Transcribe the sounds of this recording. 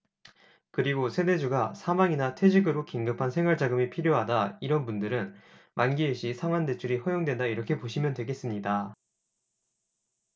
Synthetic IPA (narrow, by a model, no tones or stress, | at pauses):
kɯɾiɡosʰe̞de̞d͡ʑuɡasʰamaŋinatʰwed͡ʑiɡɯɾokiŋɡɯpʰansʰe̞ŋɦwaɭd͡ʑaɡɯmipʰiɾjoɦadaiɾʌnbundɯɾɯn | manɡieɕʰisʰaŋwande̞t͡ɕʰuɾiɸʌjoŋdwe̞ndaiɾʌkʰe̞poɕʰimjʌndwe̞ɡe̞s͈ɯmɲida